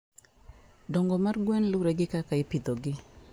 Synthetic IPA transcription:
dɔŋɡɔmarɡwenlʊɾeɡɪkakaɪpid̪oɡɪ

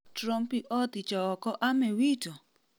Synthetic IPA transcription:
tɾɔmpiʔɔt̪it͡ʃɔːkɔʔamewitɔ

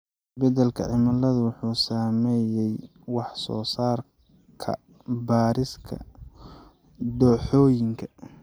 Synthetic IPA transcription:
sbɐd̪ɛlkʰɐ̰ʕɪmɐlɐðʊwʊħuːsaːmɛjɛj | wɑħsɔ̰ːsaːr | kʰɐ̰ | baːɾɪskʰɐ̰ | d̪ɔħɔːjɪŋkʰɐ

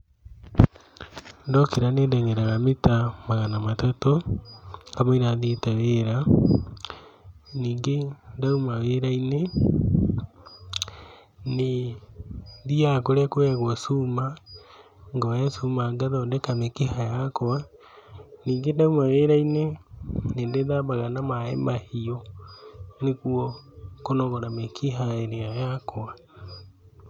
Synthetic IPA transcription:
ndɔkeɾanendɛŋɛɾaɣametamaɣanamatato | ŋɡamaiɾaðitaweɾa | niːŋɡendaumaweɾaine | ne | ðiakoɾɛkwɛɣwɔsuma | ŋɡɔjɛsumaɡaðɔndɛkamekiɦajakoa | niːŋɡendaumaweɾainenendeðabaɣanamaɛ̰mahiɔ | nekuɔkonɔɣɔɾamekʰiɦaeɾeajakoa

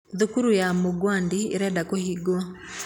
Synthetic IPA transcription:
ðukuɾujamoɡwandieɾɛdakohiɡɔ

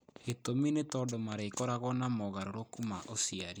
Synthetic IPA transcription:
etominetɔdomaɾeikɔɾaɣɔnamɔɣaɾoɾokumaʔosiaɾi

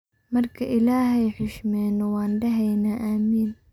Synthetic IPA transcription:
mɐrkʰɐʔɪlaːɦɛjħɪʃmɛːnɔwɑːnɖɐɦɛjnaːʔaːmiːn

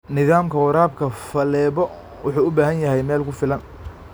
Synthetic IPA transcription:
nɪðaːmkʰɐwɑɾaːb̚kʰɐfɐlɛːβɔ | wʊħuːʊbaːɦɐnjɐɦɛjmɛːlkʰʊfɪlɐn

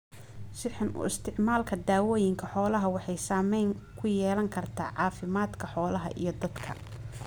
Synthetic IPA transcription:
ʃɪħɪnʔʊ̰ɪ̰st̪ʰɪʕmaːlkʰɐd̪aːwɔːjɪŋkʰɐħɔːlɐɦɐwɑħɑjsaːmɛjŋkʰʊjɛːlɐŋkʰɐrt̪ʰa̰ːʕɑːfɪmaːd̪kʰɐħɔːlɐɦɐ̰ʔḭjɞd̪ɐd̪kʰɐ̰

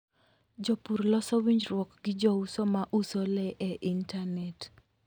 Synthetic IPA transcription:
d͡ʒɔpuɾlɔsɔwiɲd͡ʒɾwɔkɡɪd͡ʒɔusɔmaʔusolɛʔɛʔintanɛt

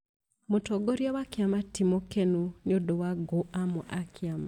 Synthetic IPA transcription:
motɔɡoɾjawakjamatimokenunodowaɡoʔamɔʔakʰjama

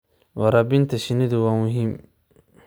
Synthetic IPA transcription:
wɑɾɑbɪnt̪ʰɐʃɪnɪðʊwaːmʊɦiːm

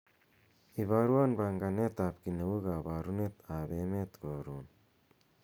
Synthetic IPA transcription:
iβaɾuwanbaŋɡanet̪apkinewuɡabaːɾunet̪abemet̪ɡaɾun

